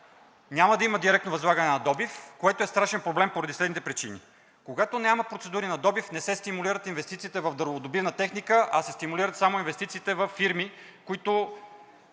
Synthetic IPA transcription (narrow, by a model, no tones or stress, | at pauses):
nʲaməd̪ɐiməd̪iɾɛkt̪novɐzlˠaɡənɛnɐd̪ɔbifkoɛt̪oɛst̪ɾaʃɛnpɾoblɛmpoɾɐd̪islɛd̪nit̪ɛpɾit͡ʃinḭ | koɡat̪onʲaməpɾot̪sɛd̪uɾinɐd̪ɔbifnɛsɛst̪imuliɾət̪invɛst̪it̪siːt̪ɛvɐvd̪əɾvod̪obivnət̪ɛxnikəʔɐsɛst̪imuliɾət̪samoinvɛst̪it̪siːt̪ɛvɐfːiɾmi | koit̪o